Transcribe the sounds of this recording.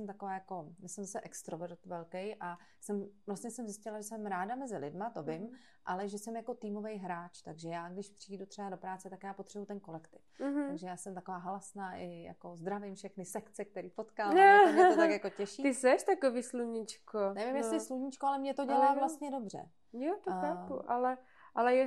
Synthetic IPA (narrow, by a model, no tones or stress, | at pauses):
sɛmt̪akovaːjako̞jasɛmzasɛʔɛkst̪ɾovɛɾt̪vɛlkɛjʔa | sɛmvlast̪ɲɛsɛmzɪscɪlaʒɛsɛmɾaːdamɛzɪlɪdmat̪o̞vɪm | ʔalɛʒɛsɛmjako̞t̪iːmo̞vɛjɦɾaːt͡ʃt̪aɡʒɛjaːɡdɪʃpr̥iːdut̪r̥ɛbadopɾaːt͡sɛt̪akjaːpo̞t̪r̥ɛbut̪ɛnko̞lɛkt̪ɪft̪aɡʒɛjaːsɛmt̪akovaːɦalasnaːʔɪja̰ko̞zd̪ɾavɪmfʃɛxnɪsɛkt͡sɛk̚t̪ɛɾiːpo̞t̪kalot̪akjako̞cɛʃiːɪsɛʃt̪akoviːsluɲɪt͡ʃkonɛvɪmjɛslɪsluɲɪt͡ʃkoalɛmɲɛt̪o̞ɟɛlaːvlast̪ɲɛdo̞br̝ɛ̰ | jot̪oaṵʔalɛ | ʔalɛjɛ